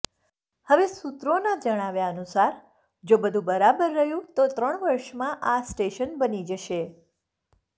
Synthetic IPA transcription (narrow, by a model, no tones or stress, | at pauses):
həʋesut̪ɾonad͡ʒəɽ̃aʋjaənusaɾ | d͡ʒobəd̪ʱũbəɾabəɾːəɦjũt̪ot̪ɾəɳ̃ʋəɾʃmãʔasʈeʃənbənid͡ʒəʃe